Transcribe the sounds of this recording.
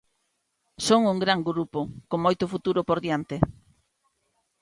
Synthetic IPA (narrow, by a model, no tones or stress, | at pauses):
soŋuŋɡɾaŋɡɾupokoŋmojt̪ʊfut̪uɾʊpoɾðjant̪e